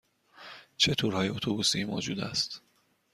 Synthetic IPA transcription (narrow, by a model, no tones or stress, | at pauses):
t͡ʃʰet̪ʰuɾhɒːjeot̪ʰobusimo̰ːd͡ʒuːd̪æ̰st̪